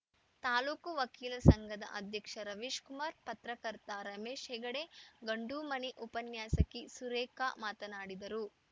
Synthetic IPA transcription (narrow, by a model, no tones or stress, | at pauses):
t̪aːluːkuʋɐkiːlɐsɐŋɡʱɐd̪ɐ̰ʔɐd̪ʱjɐkʂɐɾɐʋiːʃkumaːɾpɐt̪ɾɐkɐɾt̪aɾɐmeːʃɦɛːɡɐɽeɡɐɳɖuːmɐniʔupɐnjaːsɐkːisuɾeːka̰maːt̪ɐnaːɽid̪ɐɾu